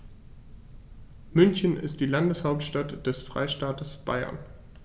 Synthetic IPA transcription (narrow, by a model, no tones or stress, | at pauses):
mʏnçənɪ̰st̚d̥iːlandəshaʊp̚tʃtatd̥ɛsfʁ̥a̰ɪʃtaːtəsb̥a̰ɪɐ̰n